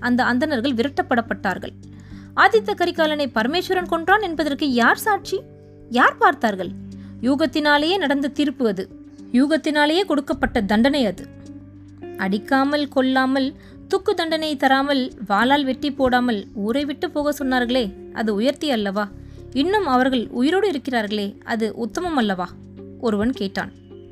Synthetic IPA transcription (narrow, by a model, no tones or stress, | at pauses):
ʔɐnd̪ɐɐnd̪ɐnɐɾɣɐɭʋɪɾɐʈːɐpːɐɽɐpːɐʈːaːɾɣɐ̰ɭ | ʔaːd̪ɪt̪ːɐkːɐɾɪkːaːlɐnɐɪpɐɾɐmeːʂɐɾɐnkɔɳɖraːnɛnbɐðɐrkɯjaːɾsaːʈ̚t͡ʃi | jaːɾpaːɾt̪aːɾɣɐɭjuːɣɐt̪ːɪnaːlejeːnɐɽɐnd̪ɯt̪iːɾpɯʋɐðɯ | juːɣɐt̪ːɪnaːlɐjeːkɔɽɯkːɐpːɐʈːɐd̪ɐɳɖɐnɐɪɐðɯ | ɐɽɪkːaːmɐlkɔɭːaːmɐl | t̪ʊkːɯd̪ɐɳɖɐnɐɪt̪ɐɾaːmɐlʋaːlaːlʋɛʈːɪpːoːɽaːmɐluːɾɐɪʋɪʈːɯpːoːɣɐsɔnːaːɾɣɐɭeː | ʔɐ̰ðɯʊjɐɾt̪ɪjɐlːɐʋaː | ɪnːɯmɐʋɐɾɣɐɭʊ̰jɪɾoːɽɯɪɾɯkːɪraːɾɣɐɭeːɐ̰ðɯʔʊt̪ːɐmɐmɐlːɐʋaː | ɔɾɯʋɐnkeːʈːa̰ːn